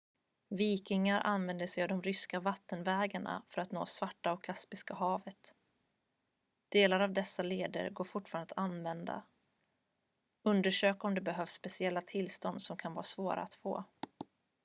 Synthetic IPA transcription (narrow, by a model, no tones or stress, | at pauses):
viːkɪŋaɾʔa̰nvɛnd̪əsɛjavd̪ɔmɾʏskavat̪ːənvɛːɡaɳa̰fœɾat̪no̰ːsvaʈːaɔkʰːaspɪskaɦɑːvət̪ | d̪̥eːlaɾavd̪ɛsːaleːd̪ə̰ɾɡoːɾfʊʈːfɑːɾand̪əanvɛnd̪a̰ | ɵnd̪əʂøːkaɔmd̪ɛbɛɦœːfsːpɛsɪɛlːat̪ʰɪlːst̪ɔnd̪sɔmkʰanvɑ̰ːɾasvoːɾa̰at̪fo̰ː